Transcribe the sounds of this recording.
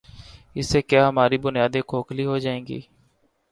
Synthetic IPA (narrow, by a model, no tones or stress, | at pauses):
ɪsːeːkjaːɦəmaːɾibʊnjaːd̪ẽːkʰoːkʰliːɦod͡ʒaːẽːŋɡḭː